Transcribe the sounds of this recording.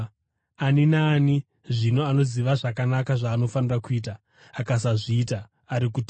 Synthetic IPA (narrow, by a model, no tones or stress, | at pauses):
aninaːni | ʐino̞ano̞ziʋaʐakanakaʐaːno̞fanirakuiːt̬aː | kasaʐiːtaː | ɾikut